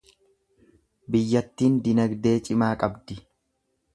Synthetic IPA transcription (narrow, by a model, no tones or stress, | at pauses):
bɪjːɐt̪ːiːnd̪ɪnɐɡd̪e̞ːt͡ʃʼɪmaːkʼɐbd̪ɪ